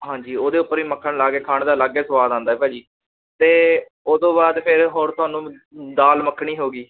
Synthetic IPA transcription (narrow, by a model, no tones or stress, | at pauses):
ɦãːɲd͡ʒiːoːd̪eːʊpːəɾiːməkʰːəɳlaːɡeːkʰaːɳd̪aːlaːɡeːsəʋaːd̪ãːnd̪aːɛːpɛːd͡ʒiː | t̪eː | oːd̪õːbaːd̪pʰɪɾɦoːɾt̪ʰʊaːnũːd̪aːlməkʰːɳiːɦoːɡiː